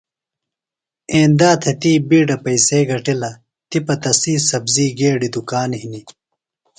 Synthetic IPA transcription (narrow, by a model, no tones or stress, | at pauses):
eːnd̪aːt̪ʰet̪iːbiːɖɐpɐjseːɡɐʈilɐ | t̪ipɐt̪ɐsiːsɐbziːɡeːɖid̪ukaːnhini